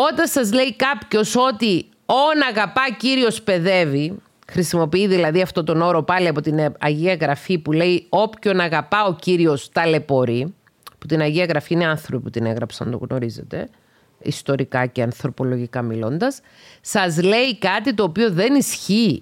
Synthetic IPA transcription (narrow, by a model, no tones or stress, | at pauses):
o̞t̪ɐsɐzle̞ikɐpço̞so̞t̪i | o̞nɐɣɐpɐciɾio̞spe̞ðe̞vi | xɾisimo̞piiðilɐðiɐft̪o̞t̪o̞no̞ɾo̞pɐliɐpo̞t̪inɐʝiɐɣɾɐfipule̞io̞pço̞nɐɣɐpɐo̞ciɾio̞st̪ɐle̞po̞ɾi | put̪inɐʝiɐɣɾɐfiineɐnθɾopiput̪ine̞ɣɾɐpsɐ̰nd̪o̰ɣno̞ɾize̞̰t̪e̞̰ | ḭst̪o̞ɾikɐceɐnθɾo̞po̞lo̞ʝikɐmilo̞nd̪ɐs | sɐzle̞ikɐt̪it̪o̞ːpioðe̞nisçi